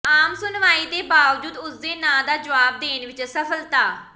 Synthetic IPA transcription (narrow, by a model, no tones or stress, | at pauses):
aːmsʊnʋaːiːt̪eːbaːʋd͡ʒuːd̪ʊsd̪eːnãːd̪aːd͡ʒəʋaːb̚d̪eːnʋɪt͡ʃsəfʰəlt̪aː